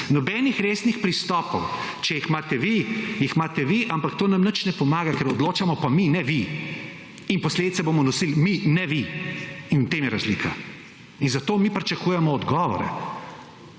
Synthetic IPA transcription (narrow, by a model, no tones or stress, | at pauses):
nɔbɛnixɾeːsnixpɾist̪ɔːpɔwt͡ʃɛjixmaːt̪ɛʋijixmaːt̪ɛʋiʔampakt̪oːnamnət͡ʃnɛpɔmaːɡakɛɾɔd̪loːt͡ʃamɔpaminɛʋi | inpɔsled̪it̪sɛboːmɔnɔsilminɛʋiinwt̪eːmjɛɾazlḭːka | inzat̪oːmipɾit͡ʃakuːjɛmɔːd̪ɡɔːʋɔ̰ɾɛ̰